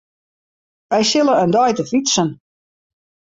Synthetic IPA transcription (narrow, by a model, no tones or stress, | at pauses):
ʋɛjsɪlˠəəndɔjtəfitsən